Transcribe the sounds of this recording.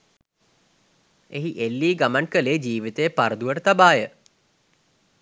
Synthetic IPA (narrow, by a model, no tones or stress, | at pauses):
eɦiʔelːiːɡamankəleːd͡ʒiːʋit̪əjəpaɾəd̪uʋəʈət̪abaːjə